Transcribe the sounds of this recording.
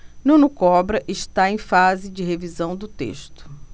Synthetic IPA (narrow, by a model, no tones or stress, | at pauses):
nũnukɔbɾɐʔɪʃt̪aẽj̃fazɪd͡ʒɪɦevizɐ̃w̃d̪ʊt̪ḛʃt̪ʊ̥